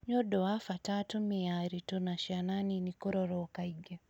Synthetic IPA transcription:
ɲɔɗɔafatatumiaɾitɔnaʃiananinikɔɾɔɾɔkaiɡa

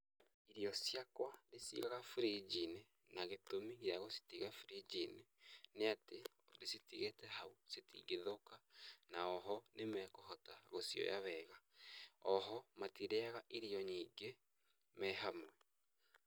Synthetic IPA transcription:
iɾiɔsjakwadesḭɣaɣafuɾid͡ʒine | naɣetomiɣjaɣosi̥tiɣafuɾid͡ʒineneate | desitiɣetɛɦausetḭɡeðokanaɔɦɔnemɛkoɦɔtaɣosijɔ̰jaβɛːɣaɔɦɔmatiɾeaɣaʔiɾiɔɲiːɡe | mɛɦamwɛ

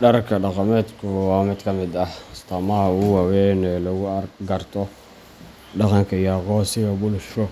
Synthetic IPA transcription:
ɖɐrkʰɐɖɑqɑmɛːd̪kʰʊwɑːmɪd̪kʰɐmɪd̪ɐhɪst̪ʰɐmɐhuwɑwɛnɛlɔɣʊrɡɐrt̪ʰɔ | ɖɑqɑŋkʰɐijaqɔːsɪɣɐbʊlʃɔ

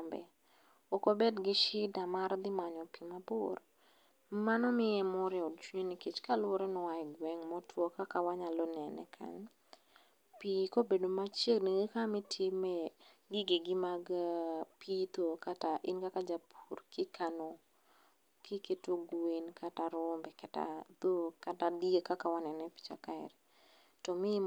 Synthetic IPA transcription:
mbɛ̰ | okobedɡɪʃɪdamaɾd̪ɪmaɲɔpimabʊr | manɔmɪjɛmɔɾɪɔd̚t͡ʃwuɲoniket͡ʃkalwɔɾɛnɔaɡwɛŋmɔtwɔkakawaɲalɔnɛnɛ̰kʰa̰ɲ | pikobedomat͡ʃeɡniɡekamitʰɪmɛ | ɡɪɡɪɡɪmaɡpit̪okataʔɪnkakad͡ʒapʰurkɪkʰano | kiketoɡuenkʰataɾʊmbɛkata̰t̪okatadiekakawanɛnɛpi̥t͡ʃa̰kaɛ̰ɾɛ | tɔmɪ

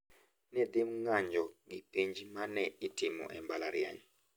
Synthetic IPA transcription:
nɛd̪ɪmŋaɲd͡ʒɔɡipiɲd͡ʒimanɛitɪmɔ̰ʔɛmbalaɾja̰ɲ

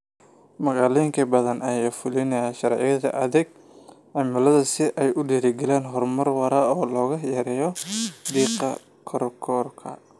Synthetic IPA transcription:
mɐɣɑaːlijɪŋkʰɐbɐðɐnʔɐjaːfʊlɪnɐaːʃɐɾʕɪ̰jɐðɐ̰ʔɐðɪɡ | ɑmʊlɐðɐsɪʔɛjʊɖiːɾɪɡɛlɛːnɦɔrmɐrwɐɾaːɔːlɔːɣɐjɛɾɛːjɔd̪iːqɐ | kʰɔɾkʰɔːrkʰɐ̰

